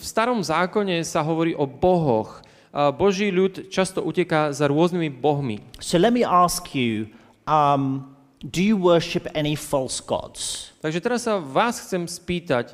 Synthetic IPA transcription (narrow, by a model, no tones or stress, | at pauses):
fst̪aɾɔmzaːkɔɲɛsaɦɔʋɔɾiːʔɔbɔɦɔ̰x | bɔʒiːʎut̪t͡ʃast̪ɔʔucɛkaːzaɾʊɔznimibɔɦmḭsoʊlɛt̚miʔɑˑskʰjʉ | ʔʌm | dəjəwɜːˑʃɪpɛñifɔlˠsɡ̥ɔ̰dz̥t̪aɡʒɛt̪ɛɾasːaʋaːsxt͡sɛmspiːt̪ac